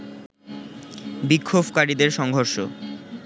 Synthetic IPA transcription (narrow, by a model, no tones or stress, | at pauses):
bikʰːobkaɾid̪eɾʃɔŋɦoɾʃo